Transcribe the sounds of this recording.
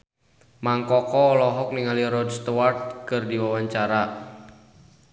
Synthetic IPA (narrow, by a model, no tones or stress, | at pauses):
maŋkɔkɔlɔɦɔk̚niŋaliɾɔdst̪ɔwart̪̚kɨrdiwawaɲt͡ʃaɾa